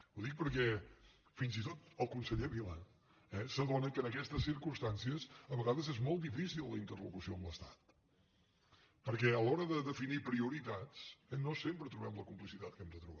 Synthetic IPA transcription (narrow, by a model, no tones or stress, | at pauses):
uðik̚pəɾkɛ | finzit̪ot̪əlˠkunsəʎeβila | ɛsəðonəkəːnəkɛst̪əsːiɾkumst̪ansiəsəβəɣaðəzɛzmɔlˠt̪d̪ifisilˠːəint̪ərlukusioəmləst̪ḁt̪̚ | pəɾkɛəlɔɾəðəðəfinipɾiuɾit̪at͡sɛnosempɾət̪ɾuβɛmləkumplisit̪at̪̚kɛmd̪ət̪ɾuβa